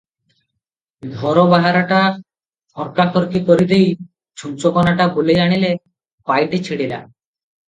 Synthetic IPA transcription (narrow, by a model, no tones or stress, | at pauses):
d̪ʱɔɾobaɦaɾaʈa | fʰɔɾkakoɾkikoɾid̪ej | d͡ʑʰunt͡ɕokɔnaʈabolejaɽ̃ile | pajʈet͡ɕʰiɽila̰